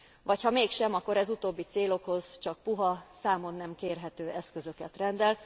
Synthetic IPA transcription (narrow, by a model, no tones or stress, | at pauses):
vɒchɒmeːkʃɛmɒkːoɾɛzut̪oːbːit̪seːlo̞kho̞z̥t͡ʃɒk̚puɦɒsaːmo̞nːɛmkeːrɦɛt̪øːɛskøzø̞kɛt̪rɛnd̪ɛl